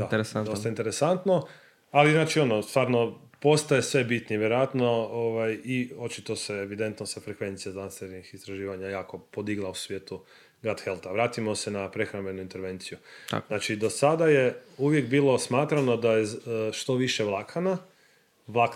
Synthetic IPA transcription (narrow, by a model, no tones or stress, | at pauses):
ad̪ost̪aint̪eɾesant̪no̞ | aliznaːt͡ʃio̞nost̪ʋaːɾno̞ | po̞st̪ajesʋebit̪niʋjeɾojat̪no̞oʋajio̞t͡ʃit̪o̞seeʋid̪e̞nt̪nosefɾe̞kʋe̞nt̪sijazanst̪eɾnixist̪ɾaʒiːʋaɲajaːko̞po̞d̪iɡlˠausʋjeːt̪u | ɡat̪xe̞lˠt̪aʋɾaːt̪imo̞senapɾe̞xɾambe̞nuint̪eɾʋe̞nt̪sijuznaːt͡ʃid̪o̞sad̪aje̞uʋje̞kbiːlo̞smaːt̪ɾano̞d̪ajeʃt̪o̞ʋiʃeʋlˠakʰana | ʋlak